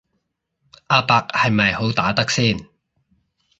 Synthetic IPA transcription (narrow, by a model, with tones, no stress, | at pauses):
ʔaː˧paː˧k̚hɐ˨jmɐ˨jho˨˥wt̪aː˨˥t̪ɐ˥k̚siː˥˩n